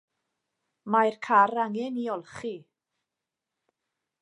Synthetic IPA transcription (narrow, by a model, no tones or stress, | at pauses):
majrkʰaraŋɛniɔlˠχi